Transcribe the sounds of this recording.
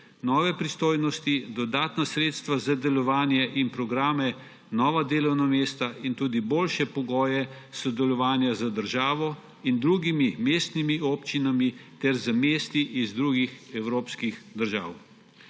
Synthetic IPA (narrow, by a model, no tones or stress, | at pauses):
nɔːʋɛpɾist̪oːjnɔst̪id̪ɔd̪aːt̪nasɾeːt̪st̪ʋazad̪ɛlɔʋaːnjɛʔinpɾɔɡɾaːmɛ | nɔːʋad̪eːlɔwnameːst̪aʔint̪uːd̪iboːlʃɛpɔɡɔːjɛsɔd̪ɛlɔʋaːnjazad̪əɾʒaːʋɔ | ind̪ɾuːɡimimeːst̪nimioːpt͡ʃinamit̪ɛɾzəmeːst̪iʔizd̪ɾuːɡixɛwɾoːpskixd̪əɾʒa̰ːw